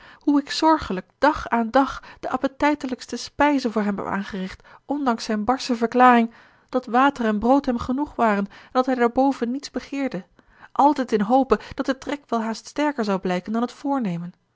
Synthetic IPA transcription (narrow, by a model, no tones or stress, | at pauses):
huɪksɔɹχələk̚d̥ɑχaːndɑχd̥əʔɑpətɛjtələkstəspɛjzəvʊːɹɦɛpɛ̰pa̰ːnχərɪχtʔɔndɑŋsɛjnbɑɹsəvəɹklaːrɪŋ | d̥ɑtʋaːtərɛnbrowtɦɛmχənuχʋaːrənɛndɑtɦɛjdaːɹbowvənːitzbəχɪːɹdə | ʔɑlˠtɛjtɪnɦowpəd̥ɑtdətrɛkʋɛlˠɦaːststɛɹkəɹzɑwblɛjkəndɑnɦətfʊːɹnejmən